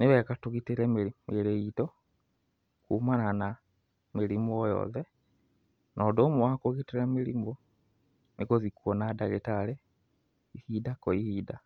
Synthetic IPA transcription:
neβekatuɣitiɾemmiɾeito | kumanana | miɾimuojɔ̰ðe | nʔodoːmuwakoɣitiɾamiɾimo | nikozikuonadaɣetale | ihidakoihida

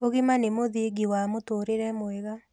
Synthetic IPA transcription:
oɣɪmanemoðieɡiwamotoɾeɾɛmoeɣa

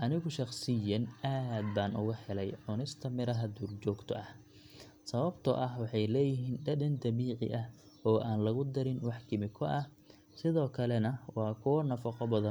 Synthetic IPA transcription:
ʔɐnɪɣʊʃɑqsɪjɐnʔaːd̪̚baːnʊ̰ɣɐhɛlɛjʕʊnɪst̪ʰɐmɪɾɐɦɐd̪uːrt͡ʃɔːɡt̪ʰɐʔɐh | sɐβɐbt̪ʰɔʔɐhwɑħɑjlɛːjɪɦiːnɖɐdɐnd̪ɐβiːʕɪ̰ʔɐh | ɔːʔaːnlɐɣʊd̪ɐɾɪnwɑħkʰɪmɪkʰɔʔɐh | sɪðɔːkʰɐlɛnɐwɑːkʰʊnɐfɐqɔbɐðɐn

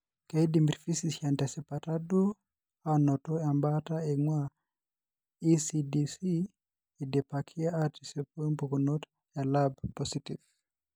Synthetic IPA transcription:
keidimbiɾfisisantasɛpatadu | anɔtɔambataeŋwa | isidisi | ɛdɛpakʰiaatisɛpɔmpɔkunɔt | jalabpːɔsitiv

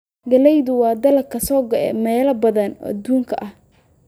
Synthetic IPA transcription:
ɡɐlɛjðʊwɑːd̪ɐlɐkʰɐsɔːɡɐlɛ̰mɛːlɐbɐðɐnʔɐ̰d̪uːŋkʰɐʔɐh

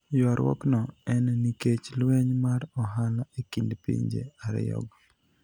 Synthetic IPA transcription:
jɔɾwɔ̰knɔɛnniket͡ʃlwɛɲmaɾɔɦalaekindpḭɲd͡ʒḛaɾjɔ̰ɡ

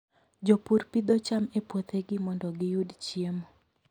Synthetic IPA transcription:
d͡ʒɔpuɾpid̪ɔt͡ʃamepwot̪eɡɪmɔndɔɡɪjudt͡ʃiemo

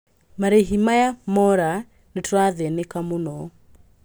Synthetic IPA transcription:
maɾeɦimajamɔɾa | netwaðɛnekamonɔ

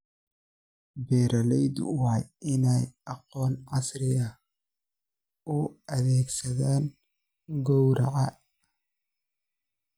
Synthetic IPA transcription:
bɛːɾɐlɛjd̪wjɪnɛjʔɑqɔːnʕɑsrɪɐ | ʊʔɐðɛːɡsɐðaːn | ɡɔwɾɐ̰ʕɑ

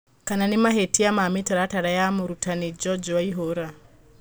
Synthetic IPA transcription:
kananimaɦetiamamitaɾataɾajamuɾutʰanid͡ʒɔd͡ʒɔwaiɦoɾa

